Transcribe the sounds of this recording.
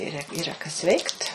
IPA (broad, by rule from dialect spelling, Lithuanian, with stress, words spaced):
ˈiːrɐ iːˈrɐ kɐs ˈʋʲɛɪkt